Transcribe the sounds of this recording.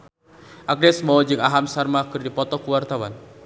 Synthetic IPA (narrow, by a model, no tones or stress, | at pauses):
ʔak̚dɛsmɔɔd͡ʒɨŋaɦamsarmakɨrdipɔt̪ɔkuwart̪awan